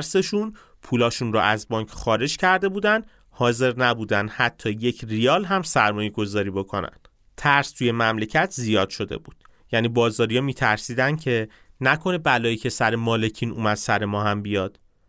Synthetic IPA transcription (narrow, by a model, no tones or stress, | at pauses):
ɾse̞ʃun | pʰuːlɒːʃunɾɔ̰ʔæzbɒːŋcʰχɒːɾe̞d͡ʒcʰæɾd̪e̞buːd̪ænd̪ | hɒːze̞ɾnæbuːd̪ænd̪̥hæt̪ʰːɒːje̞cʰriɒːlɦæmsæɾmɒːje̞ɡo̞zɒːɾiːbo̞kʰo̞næ̰nd̪̥ | t̪ʰæɾst̪ʰuje̞mæmle̞cʰæt̪ʰzijɒːd̪̥ʃo̞d̪e̞̰buːd̪̥ | jænibɒːzɒːɾijɒmiːt̪ʰæɾsiːd̪ænd̪̥̚cʰe̞ | nækʰo̞nebælɒːjiːcʰe̞sæɾemɒːle̞cʰiːnṵːmæd̪̥sæɾe̞mɒːhæmbijɒːd̪̥